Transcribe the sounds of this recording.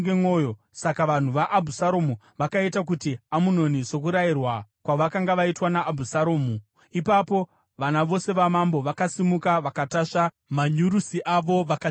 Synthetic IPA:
ɡemoːjo | sakaʋan̤uʋaʔːbʱusaɾo̞mu | ʋakaitak̬utiamuno̞niso̞k̬uɾairwakwaʋakaŋɡaʋaitwanaʔːbʱusaɾoːmu | ipapo̞ | ʋanaʋo̞se̞ʋamambo̞ʋakasimukaʋakataʂa | maɲuɾusiʔaʋo̞ʋak

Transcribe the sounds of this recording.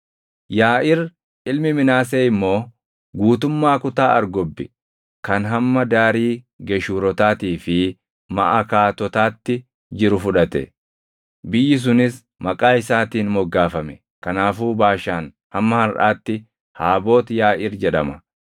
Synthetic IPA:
jaːʔɪɾ | ʔɪlmɪmɪnaːs̬eːɪmːo̞ː | ɡuːt̪ʊmːaːkʊt̪aːɐ̰ɾɡɔbːɪ | kɐnɦɐmːɐd̪aːɾiː | ɡɛʃuːɾɔt̪aːt̪iːfɪ | mɐ̰ʔɐkaːt̪ɔt̪aːt̪ːɪ | d͡ʒɪɾʊfʊᶑɐt̪ɛ̰ | bɪjːɪs̬ʊnɪs | mɐkʼaːɪsaːt̪iːnmɔɡːaːfɐmɛ | kɐnaːfuːbaːʃaːn | hɐmːɐhɐɾʔa̰ːt̪ːɪ | haːbo̞ːt̪jaːʔɪɾd͡ʒɛᶑɐmɐ

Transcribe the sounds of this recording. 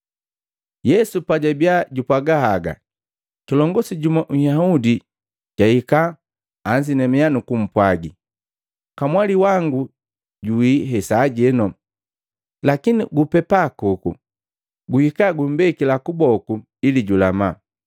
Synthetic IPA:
jɛsupaɟabjaɟupwaɡahaɡa̰ | kilɔŋɡɔsiɟumaʔŋ̩jahudi | ɟ̥ahikaː | ɲsinɛmɛjanukum̩pwaɡi | kamwaliwaŋɡu | ɟuwiɦɛsaɟɛnɔ | lakiniɡupɛpakukṵ | ɡuhikaɡum̩bɛkilakubɔku | iliɟulama

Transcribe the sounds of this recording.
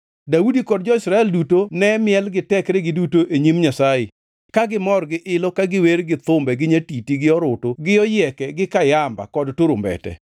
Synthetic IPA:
daudikɔdd͡ʒɔɪsɾaɛldutonɛmɪɛlɡɪtɛkɾeɡɪdutoʔeɲimɲasaɪ | kaɡɪmɔrɡɪʔɪlɔkaɡɪweɾɡɪt̪ʊmbɛɡɪɲatitiɡɪɔɾʊtoɡɪɔjɛkɛɡɪkajamba̰kɔdtoɾʊmbɛ̰tɛ̰

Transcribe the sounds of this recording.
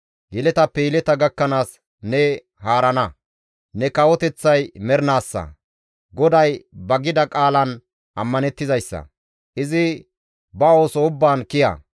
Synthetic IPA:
jɪlɛt̪ɐpːɛjɪlɛt̪ɐɡɐkːɐnaːs | nɛ | haːɾɐnɐ | nɛkɐwɔt̪ɛt͡sːɐjmɛɾnaːsːɐ̰ | ɡɔd̪ɐjbɐɡɪd̪ɐkʼaːlɐn | ʔɐmːɐnɛt̪ːɪzɐjsːɐ̰ | ʔɪzɪ | bɐo̞ːsɔʊbːaːnkɪjɐ̰

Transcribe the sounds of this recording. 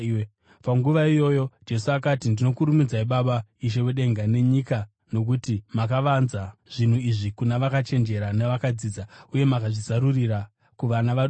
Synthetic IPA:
paŋɡuʋaijo̞jo̞d͡ʒe̞suakatindino̞kuɾumid͡zaiɓaɓaiʃ̬e̞weɗe̞ŋɡane̞ɲika | no̞k̬utimakaʋanzaʐ̥in̤uiʐikunaʋakat͡ʃe̞nd͡ʒe̞ɾaneʋakad͡ziːd͡zauje̞makaʐizaɾurira | kuʋanaʋaɗ

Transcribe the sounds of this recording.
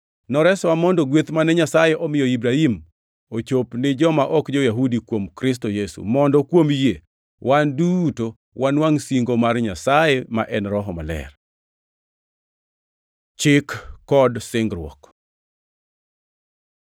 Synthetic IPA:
nɔɾɛswamɔndɔɡwet̪manɛɲasajeʔɔmɪjɔibɾaɦim | ot͡ʃopnɪd͡ʒɔmaʔɔkd͡ʒɔjaɦudikwomkɾɪs̬tojesṵmɔndɔkwomje | wʔanduto | wʔanwaŋsiŋɡomarɲasajema̰ʔɛnɾɔɦɔma̰lɛ̰r | t͡ʃɪkːɔdsɪŋɡɾwɔ̰k

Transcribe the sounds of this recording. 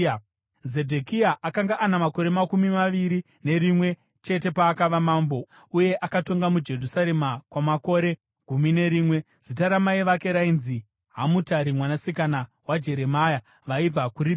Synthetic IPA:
ze̞dʱekiaʔakaŋɡaʔanamako̞ɾe̞makumimaʋiɾi | ne̞ɾimwe̞ | t͡ʃe̞te̞paːkaʋamaːmbo̞ | uje̞ʔakato̞ŋɡamud͡ʒe̞rusaɾe̞makwamako̞ɾe̞ | ɡ̥ʱumine̞ɾiːmwe̞ | z̥itaɾamaiʋake̞ɾainzi | ɦamutaɾimwanasikana | wad͡ʒe̞ɾe̞maja | ʋaib͡vakuɾip

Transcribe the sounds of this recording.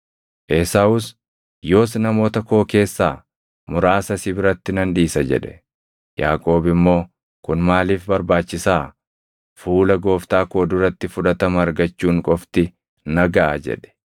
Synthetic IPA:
ʔɛsaʊs | jo̞ːs̬nɐmo̞ːt̪ɐko̞ːke̞ːsːaː | mʊɾaːsɐsɪbɪɾɐt̪ːɪnɐnd̪iːsɐd͡ʒɛ̰ᶑɛ̥ | ja̰ːkʼo̞ːbɪmːo̞ː | kʊnmaːliːfbɐɾbaːt͡ʃːɪsaː | fuːlɐɡo̞ːft̪aːkoːd̪ʊɾɐt̪ːɪfʊᶑɐt̪ɐmɐːɾɡɐt͡ʃːuːŋkʼɔft̪ɪ | nɐɡɐʔad͡ʒɛ̰ᶑɛ̥

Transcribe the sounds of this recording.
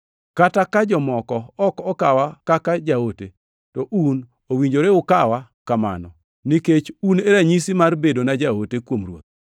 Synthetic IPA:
katakad͡ʒɔmɔkɔɔkɔkawakakad͡ʒaote | tɔʔun | owiɲd͡ʒoɾeʊkawakama̰nɔ̰ | niket͡ʃuneɾaɲisimarbedonad͡ʒaotekwomrwo̰t̪̚

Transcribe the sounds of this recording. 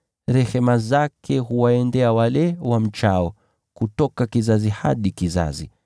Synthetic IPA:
ɾɛhɛmazakʰɛɦuwaɛndɛawalɛwam̩t͡ʃaɔ | kutɔkakizaziha̰ɗikiza̰zḭ

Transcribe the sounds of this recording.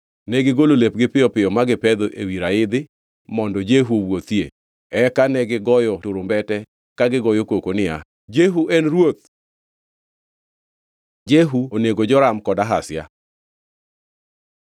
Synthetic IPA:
nɛɡɪɡololep̚ɡɪpɪjɔpɪjɔmaɡɪpɛd̪oʔewiɾaɪd̪ɪ | mɔndɔd͡ʒeɦuowot̪jḛ | ɛkanɛɡɪɡɔjɔtʊɾombɛtɛ | kaɡɪɡɔjokokonɪa | d͡ʒeɦuʔɛnɾwot̪̚ | d͡ʒeɦuoneɡod͡ʒɔɾamkɔdaɦasja̰

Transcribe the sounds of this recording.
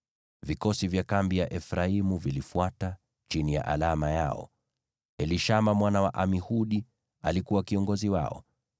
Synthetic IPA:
vikɔsivjakambijaʔɛfɾaimuvilifuata | t͡ʃinija̰ʔa̰lamaja̰ɔ̰ | ɛliʃamamwanawaʔamihuɗi | alikuwakiɔŋɡɔziwa̰ɔ̰

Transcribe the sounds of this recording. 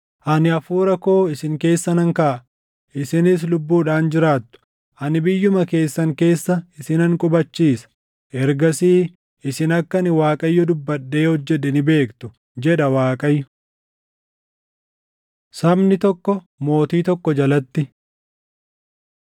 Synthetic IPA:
ʔɐnɪɐfuːɾɐko̞ːɪsɪŋke̞ːsːɐnɐŋkaʔɐ | ʔɪsɪnɪs̬lʊbːuːᶑaːnd͡ʒɪɾaːt̪ːʊ̥ | ʔɐnɪbɪjːʊmɐke̞ːsːɐŋke̞ːsːɐɪsɪnɐŋkʼʊbɐt͡ʃːiːsɐ̥ | ʔɛɾɡɐsiː | ɪsɪnɐkːɐnɪwaːkʼɐjːɔd̪ʊbːɐɗːe̞ːhɔd͡ʒːɛᶑɛnɪbe̞ːkt̪ʊ̥ | d͡ʒɛᶑɐwaːkʼɐjːʊ | sɐbnɪt̪ɔkːɔ | mo̞ːt̪iːt̪ɔkːɔd͡ʒɐlɐt̪ːɪ

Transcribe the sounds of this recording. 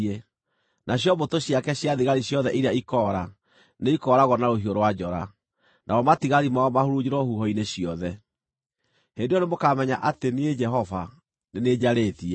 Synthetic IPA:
ɛ | naɕjɔbotoɕjakɛɕjaðiɣaɾiɕjɔðɛʔiɾeaikɔɾa | neikɔɾaɣɔnaɾoɦioɾowad͡ʑɔɾa̰ | nʔaɔmatiɣaɾimaɔmahoɾud͡ʑiɾɔhuɦɔineɕiɔðɛ | hendeonemokamɛɲaʔatenied͡ʒɛɦɔva | neneːd͡ʑaɾetiɛ

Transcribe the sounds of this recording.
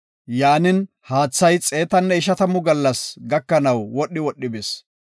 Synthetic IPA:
jaːnɪn | haːt͡sːɐjt͡sʼe̞ːt̪ɐnːɛɪʃɐt̪ɐmʊɡɐlːɐsɡɐkːɐnɐwwɔɗːɪwɔɗːɪbes

